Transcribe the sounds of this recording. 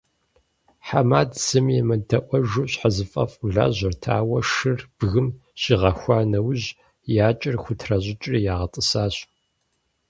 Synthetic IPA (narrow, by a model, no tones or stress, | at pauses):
ħamaːdsɨmjɛmɐdʰɐʔʷɔʒuɕħazɨfʼɐ̰fuɮa̰ːʑʷɐrtʰaːwɐʂɨrb̥ɣɨmɕiʁɐxʷɑːnɐwʑ | jaːt͡ʃʼɪrxʷʊtʰrɐʑʼɪt͡ʃʼrijaːʁɐtʼɨsaːɕ